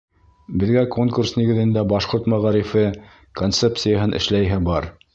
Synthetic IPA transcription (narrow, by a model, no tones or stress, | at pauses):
bɘ̆ðɡækoŋkursniɡɘ̆ðɘ̆nd̪æbɑʃqoɾt̪mæʁɑɾifɘ | kont̪sep̪sɨjaɦɤnʔɘ̰̆ʃlæjɦɘbɑɾ